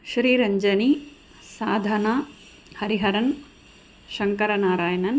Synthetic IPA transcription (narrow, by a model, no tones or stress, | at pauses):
ʃɾiːɾɐɲd͡ʒɐni | saːd̪ʱɐnaː | hɐɾiɦɐɾɐn | ʃɐŋkɐɾɐnaːɾaːjɐnɐn